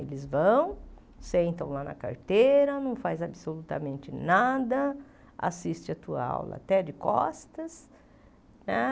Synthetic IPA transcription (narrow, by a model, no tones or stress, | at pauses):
elɪzvɐ̃w̃ | sẽnt̪ɐ̃w̃lanɐ̰ka̰ɾt̪ejɾɐnɐ̃w̃fajzabɪsolut̪ɐ̰mẽnt͡ʃɪnad̪ɐ | a̰sist͡ʃɪɐt̪uɐ̰a̰wlɐ̰t̪ɛd͡ʒɪkɔ̰st̪ɐs | nɛ